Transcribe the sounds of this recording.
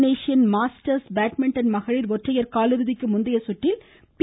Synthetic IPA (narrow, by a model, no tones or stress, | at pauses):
neːʃɪjɐnmaːsʈɐɾsbaːʈmɛɳʈɐnmɐɣɐɻɪɾʋɔʈrɐjɐɾkaːlɯɾɯðɪkːɯmʊnd̪ɐjɐsʊʈːɪl | p